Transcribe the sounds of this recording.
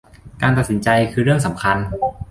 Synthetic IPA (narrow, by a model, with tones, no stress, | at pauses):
kaː˧nt̪a˨t̪̚si˩˦nt͡ɕa˧jkʰɯː˧ɾɯ˥˩əŋsa˩˦mkʰa˧n